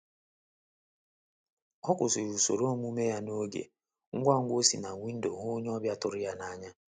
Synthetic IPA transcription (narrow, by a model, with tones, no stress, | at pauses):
ɔ˦kʷʊ˨sʊ˨ɾu˨so̰˨ɾo˦mu˦me˦ja˦no˦ɡḛ˨ | ŋ̩˦ɡʷa˦ŋ̩˦ɡʷo˦sḭ˨na˨ŋʷi˦n̩˦do̰˨ɦʊ˦ɲ˦ɔ˦bja˦tʊ˨ɾɪ˦ja˦na˨˦ɲa˦